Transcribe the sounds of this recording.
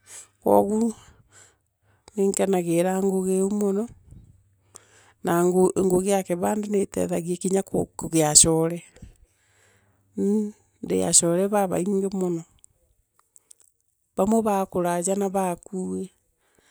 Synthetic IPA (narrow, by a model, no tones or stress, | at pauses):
kwɔ̰ɣu | neŋkanaɣeɾaŋɡoɣeomonɔ | naŋɡoeŋɡoɣejakɛβaːndenetɛ̰ðaɣiekiɲakkoɣeaʃɔɾɛ | n | ndḛja̰ʃɔɾɛβaβa̰iŋɡemonɔ | βamoβakoɾad͡ʑanaβakuːwe